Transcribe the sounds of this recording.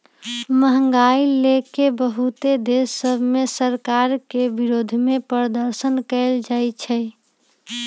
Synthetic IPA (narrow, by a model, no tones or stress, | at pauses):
məɦəŋɡailekebəɦut̪ed̪esːəbʱmesəɾkaɾkebiɾod̪ʱmepəɾəd̪əɾsənkəɪld͡ʒat͡ʃʰɛ